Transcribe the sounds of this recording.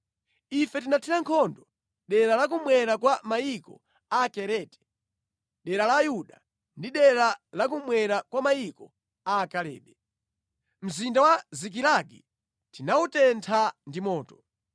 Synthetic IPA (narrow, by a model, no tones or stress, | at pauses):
ifɛtinatʰiɾaŋkʰɔndɔ | ɗɛɾalak̬umwɛɾakwamajikɔ̰ | akɛɾɛtɛ̥ | ɗɛɾalajuɗa | ndiɗɛɾalak̬umwɛɾakwamaikɔ | akalɛ̰ːɗɛ | m̩zindawazik̬iɾaɡi | tinautɛntʰandimɔːtɔ̥